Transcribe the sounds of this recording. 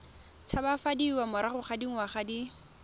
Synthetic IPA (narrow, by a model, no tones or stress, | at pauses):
t͡sʰabafadiwamʊɾaχʊχadiŋ̩waχadi